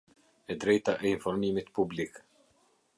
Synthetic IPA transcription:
ɛd̪ɾɛjt̪aʔɛinfɔɾmimit̪publik

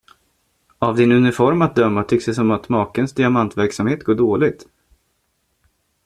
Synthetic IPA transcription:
avd̪ɪnɵnɪfɔɾmat̪̚d̪œmːat̪ʰʏkːsd̪ɛsɔmat̪mɑːkənsd̪ɪamant̪væɾksamheːt̪ɡoːɖoːlɪɡt̪

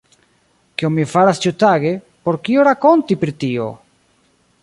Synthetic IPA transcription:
kiommifaɾast͡ʃutaɡe̞ | po̞ɾkioɾako̞ntipɾitio̞̰

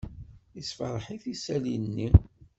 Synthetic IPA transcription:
isfɑɾˤħiθisælinːi

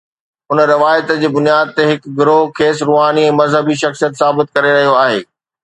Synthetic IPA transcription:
ʊnɾɪʋaːjt̪d͡ʑeːbʊnijaːd̪̚t̪eɦɪkɡɪɾoɦkʰeːsɾuːɦaːniɛ̃ːmɐzɦəbiʃɐxsijət̪saːbɪt̪̚kɐɾeɾɐɦijoaːɦeː

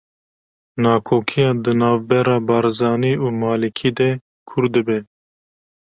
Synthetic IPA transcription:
nɑːkʰoːkʰijɑːd̪ɨnɑːvbɛɾɑːbɑːɾzɑːniːuːmɑːlikʰiːd̪ɛ | kʰʊɾd̪ɨbɛ

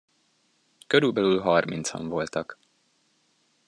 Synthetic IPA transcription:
køɾylbɛlylɦɒrmḭnt̪sɒ̰ɱvo̞lt̪ɒk

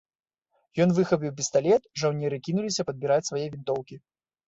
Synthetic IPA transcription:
jɔnvɨxɐpʲiwpʲɛst̪alʲɛt̪ʐawnʲɛɾɨkʲinulʲisʲɐpɐd̪̚bʲiɾat͡sʲsvajɛvʲint̪ɔwkʲi

